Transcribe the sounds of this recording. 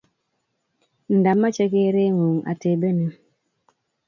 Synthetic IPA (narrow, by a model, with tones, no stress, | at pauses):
n̩˨da˨mːa˦t͡ʃe˦ke˦ɾe˦ŋo˨ŋa̰˨te˨be˦ne˨